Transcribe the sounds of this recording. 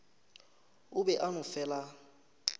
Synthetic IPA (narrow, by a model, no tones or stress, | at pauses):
ʊbɛʔanʊfɛːla